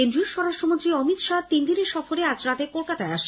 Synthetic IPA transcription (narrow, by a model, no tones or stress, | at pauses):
end̪ɾioɾʃɔɾaʃʈɾomont̪ɾiɔmit̪ʃat̪ind̪ineʃɔfoɾead͡ʑɾat̪ekolkat̪aeaʃ